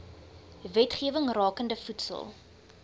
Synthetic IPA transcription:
vɛtχiəvəŋrɑːkəndəfutsə̰lˠ

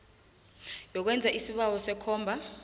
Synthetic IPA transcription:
jɔk̬wɛnd͡zʱaʔisiɓawɔsɛkʰɔːmbʱa

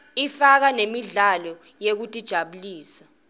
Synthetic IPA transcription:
ifak̬anemiɮalɔ | jek̬utʼid̥ʒ̥ʱaɓuliːsḁ

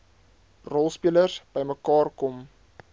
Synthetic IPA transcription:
rɔlˠspiələrsb̥əjməkɑːrkɔm

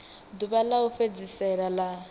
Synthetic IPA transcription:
duβalaufed͡zisɛɺala

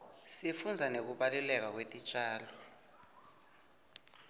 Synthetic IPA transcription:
sifund͡zʱanek̬uɓalɛlɛk̬ak̬wetʼit͡ʃʼaːlɔ

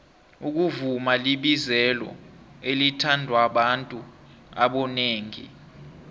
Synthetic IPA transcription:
uk̬uvumaliɓizɛlɔ̰elitʰandʱwaɓantʼua̰ɓɔneːŋḭ

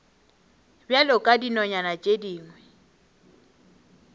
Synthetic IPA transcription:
bjalɔkʼadinɔɲanat͡ʃʼediːŋwɛ

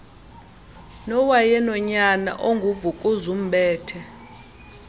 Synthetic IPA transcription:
nɔwajɛnɔɲana̰ʔoŋɡʱuvukʼuzum̩bɛːtʰɛ

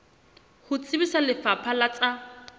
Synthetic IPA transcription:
hʊt͡sʼɪbisalɪfapʰalat͡sʼa

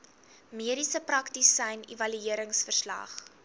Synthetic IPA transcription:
miəɾisəprɐktisːɛjnivɐlyiəɾəŋsfərslɐ̰χ

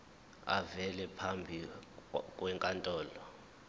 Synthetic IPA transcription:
a̰vɛlɛpʰambʱi | kʼwɛŋkʼantʼɔːlɔ

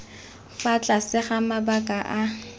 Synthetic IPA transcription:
fat͡ɬʼasɪχamabakʼaʔa

